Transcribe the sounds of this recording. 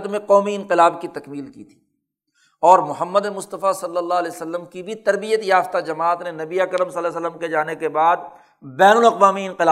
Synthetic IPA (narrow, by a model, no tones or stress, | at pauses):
t̪mẽqɔːmiɪ̃nqɪlaːbkit̪ɐkmiːlkḭt̪ʰi̥ː | ɔːɾmʊɦəmːəd̪emʊst̪əfasɐlːəlːaːɦlɛːsəlːəmkibʱit̪ɐɾbijət̪jaːft̪ad͡ʒɐmaːt̪nenɐbiekəɾəmsɐlːəs̬ələmked͡ʒaːnekebaːd̪ | bɛːnʊlɐqʋaːmiɪ̃nqɪlaː